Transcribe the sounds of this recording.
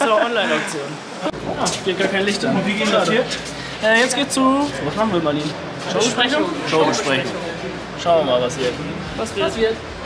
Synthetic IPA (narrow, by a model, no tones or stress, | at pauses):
ɪsɔnlaɪnak̚t͡sjoːn | jaːfeːɡaːɐkʰaɪnlɪçtʊviɡinaːdəiːɐ | ʔɛːjɛt͡sɡ̥eːtt͡suvasmaχn̩viːɐmaniːn | ʃoʃpʁ̥ɛçʊŋʃoʊʃpʁ̥ɛçŋ | ʃaʊəmaːlvasiɛtʰun | asiːɐt